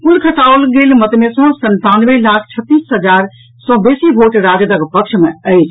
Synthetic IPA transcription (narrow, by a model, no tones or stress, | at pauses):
pulkʰəʈaolɡelmət̪mesə̃sənt̪anʋəlakʰt͡ʃʰət̪ːisɦəd͡ʒaɾ | sɔ̃besibʱoʈɾad͡ʒəd̪əkpəkt͡ʃʰmeəɪt͡ʃʰ